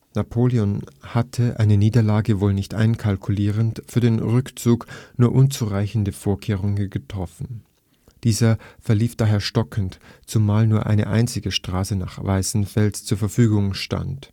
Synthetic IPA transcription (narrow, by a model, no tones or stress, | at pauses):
napʰoːliɔnhatʰəʔa̰ɪnəniːdɐlaːɡəvoːlnɪçtʔa̰ɪnkʰalkʰuliːʁəntfyːɐdeːnʁʏkt͡suːknuːɐʔʊnt͡suʁaɪçn̩dəfoːɐkʰeːʁ̞ʊŋɡətʁ̥ɔfn̩ | d̥iːzɐfɛɐliːfd̥aːɦeːɐʃtɔkʰn̩tt͡sumaːlnuːɐʔa̰ɪnə̰ʔa̰ɪnt͡sɪɡəʃtʁ̥aːsəna̰ːχvaɪsn̩fɛlst͡suːɐfɛɐfyːɡʊŋʃta̰nt